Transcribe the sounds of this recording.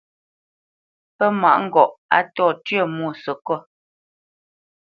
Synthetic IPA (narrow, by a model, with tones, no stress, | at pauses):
pɛ˦ma̰˨ʔŋ̩˦ɡɔ˨ʔa̰˦tɔː˦˨tɥə˦˨mɔ˦˨sə˨kɔ˦˨